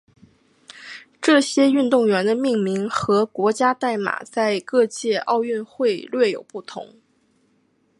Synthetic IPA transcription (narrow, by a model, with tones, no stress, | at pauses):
ʈ͡ʂɤ˥˩ɕjɛ˥y˥˧nt̪ʊ˥˩ŋɥɛ˧˥nd̪ə˧mi˥˩ŋmi˧˥ŋxɤ˧˥kwɔ˧˥t͡ɕja˥t̪a˥˩ɪma̰˨˩t͡sa˥˧ɪkɤ˥˧t͡ɕjɛ˥˧ʔɑ˥˧ʊɥy˥˧nxwe˥˧ɪlɥɛ˥˩jo˨˩ʊpu˥˩t̪ʰʊ̰˧˥ŋ